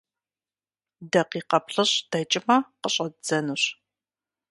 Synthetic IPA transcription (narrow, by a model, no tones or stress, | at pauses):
dɐqiːqɐpɬɨɕd̥ɐt͡ʃʼɪmɐqəɕʼɐd͡z̥ɐnɨɕ